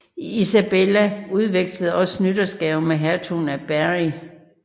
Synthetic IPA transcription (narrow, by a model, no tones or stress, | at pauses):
isæb̥elæuð̞ˠʋeɡ̥səð̞̩ˠɒ̽snyd̥ɐsɡ̥ɛʊmeɦæɐt͡sʰunæb̥æʁi